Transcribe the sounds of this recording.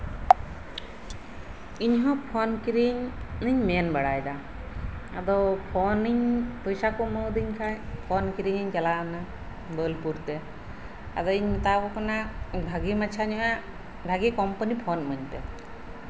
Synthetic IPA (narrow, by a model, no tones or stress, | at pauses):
iɲɦɔ̃pʰɔnkiɾiɲniɲmɛnbaɽajd̪a | a̰d̪ɔpʰɔniɲpɔjsakɔməwd̪iɲkʰajpʰɔnkiɾiɲiɲd͡ʒalana | bəlpuɾt̪ɛ | a̰d̪ɔiɲt̪akɔkɔnabʱaɡimat͡ʃʰaɲɔɦa | bʱaɡikɔmpənipʰɔnməɲt̪ɛ̰